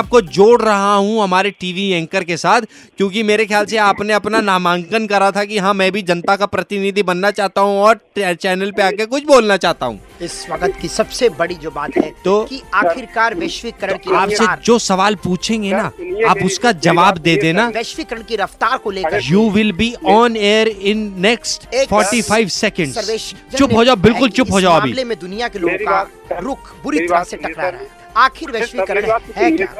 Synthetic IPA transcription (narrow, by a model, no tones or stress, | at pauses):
aːp̚kod͡ʒoːɽɾɐɦaɦũɦɐmaːɾeʈiːʋiɛ̃ŋkəɾkesaːt̪ʰ | kjõːkimeːɾexjaːlseaːpneɐpnanaːmaːŋkənkɐɾat̪ʰakiɦãːmɛ̃ːbʱid͡ʒɐnt̪akapɾɐt̪ɪnid̪ʱibɐnːat͡ʃaːɦt̪aɦũɔːɾɛt͡ʃɛːnəlpeaːkekʊt͡ʃʰboːlnat͡ʃaːɦt̪a̰ɦṵ̃ːɪsʋɐɡt̪kisɐbsebɐɽid͡ʒoːbaːt̪ɦɛt̪oːkiaːkɪɾkaːɾʋeːʃʋikɐɾəɳ̃kiaːpseɾd͡ʒoːsɐʋaːlpuːt͡ʃʰẽːŋɡenaaːpʊskad͡ʒɐʋaːbd̪eːd̪ẽnaʋeːʃʋɪkɐɾəɳ̃kiɾɐft̪aːɾkoleːkɐjuːʋɪlbiɔːneːɾɪ̃nːɛksʈːfɔːɾʈifʰaɪʋsɛkə̃ɳɖseːʃt͡ʃʊpɦoːd͡ʒaːʊbɪlkʊlt͡ʃʊpɦoːd͡ʒaːoɐ̃bḭlemẽd̪ʊnijakeloːɡõka | ɾʊkʰbʊɾit̪ɐɾaseʈɐkɾaɾɛ | aːkʰɪɾʋeʃikɐɾəɳɦɛkjaː